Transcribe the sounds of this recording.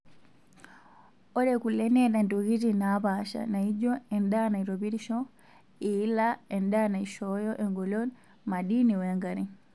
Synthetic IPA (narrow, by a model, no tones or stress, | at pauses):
ɔɾɛkulɛnɛtandɔɣitinapaʃa̰naid͡ʒɔɛndanaiɾɔβiɾiʃɔ | ilaɛndanaiʃɔjɔʔɛŋɡɔlɔn | maɗiniwɛŋɡaɾɛ